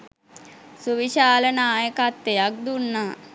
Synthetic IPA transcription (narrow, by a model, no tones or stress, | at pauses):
suʋiʃaːlənaːjəkat̪ːejak̚d̪unːaː